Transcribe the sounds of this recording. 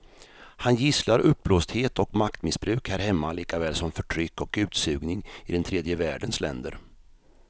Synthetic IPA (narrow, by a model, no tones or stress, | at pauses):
hanjɪslaɾɵp̚ːbloːst̪heːt̪ɔkmakt̪mɪsbɾʉ̟ːkhæːɾhɛmːaliːkavɛːlsɔmfœʈʰɾʏkːɔkʉ̟ːt̪sʉ̟ːɡnɪŋɪd̪ɛnt̪ʰɾeːd̪jəvæːɖənslɛ̰nd̪əɾ